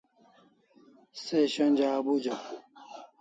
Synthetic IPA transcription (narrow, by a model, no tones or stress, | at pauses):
seɕɐnʲd͡ʑaːbud͡ʑɐku